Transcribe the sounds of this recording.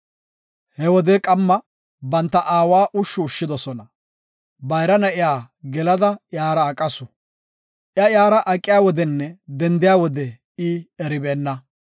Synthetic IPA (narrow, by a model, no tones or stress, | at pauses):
hɛwɔd̪ɛkʼɐmːɐ | bɐnt̪ːɐʔaːwaːʔʊʃːʊːʃːɪd̪ɔsɔnɐ | bɐjɾɐnɐʔɪjaː | ɡɛlɐd̪ɐjaːɾɐːkʼːɐsʊ | ʔjɐjaːɾɐʔɐkʼːɪjaːwɔd̪ɛnːɛd̪ɛnd̪ɪjaːwɔd̪ɛ | ɪɛɾɪbeːnːɐ